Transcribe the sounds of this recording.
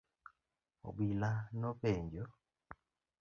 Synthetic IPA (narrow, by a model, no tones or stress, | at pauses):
o̰bwilanoβeːɲɟo